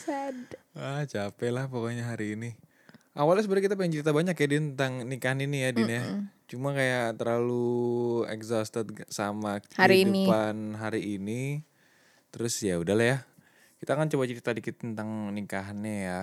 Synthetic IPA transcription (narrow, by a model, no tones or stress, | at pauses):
sadat͡ʃapɛlahpokoɲaɦaɾiːni | ʔawalas̬əbəɾkit̪ap̬aɲat͡ʃəɾit̪̬abaɲakajadit̪ənt̪aŋnikaɦaninijadinat͡ʃumakajat̪ərlalu | ɛ̰kzost̪ət̪̚samaaɾiunipanɦaɾiːni | t̪əɾʊsjaudahlahja | kit̪aːkant͡ʃowaʔt͡ʃəɾit̪adikɪt̪̚ːənt̪aŋnikaɦanaja